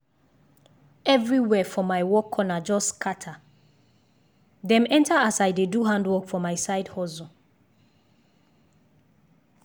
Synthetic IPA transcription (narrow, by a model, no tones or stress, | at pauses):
ɛvɹiwɛfɔmaɪwɔkʰːɔnad͡ʒɔskʰatʰa | dɛ̃mɛ̃ntʰaasajdeduɦãndwɔkfɔmaɪsaɪdhɔzɔ̃